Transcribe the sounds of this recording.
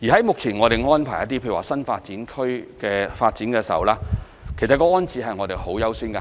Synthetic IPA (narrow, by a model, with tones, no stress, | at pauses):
jiː˨˩ɦɐ˨˦jmʊ˨k̚t͡sʰiː˨˩nŋɔː˨˧ɾe˨jŋɔː˥npʰaː˨˩jɐ˥t̪̬i˥pʰe˧˨˩aː˨˩sɐ˥nfaː˧t̚t͡siː˨˥nkʰɵ˥ɥkɛː˧faː˧t̚t͡siː˨˥nkɛː˧sɐ̰˨˥wlaː˥ | kʰe˨˩sɐ˨t̚kɔː˧ɔː˥nt͡siː˧ɦɐ˨jŋɔː˨˧ɾe˨˩jho˨˥wjɐ˨˥wsiː˥nkɐ˧